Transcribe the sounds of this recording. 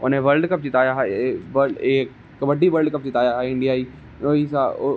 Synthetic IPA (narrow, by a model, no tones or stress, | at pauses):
ʊneʋəlɖkɐp̚d͡ʒɪt̪aːjaɦʋəeːk | kɐbəɖiʋəlɖkɐp̚d͡ʒɪt̪aːjaɦɛɪ̃ɳɖijaːiː | oːisa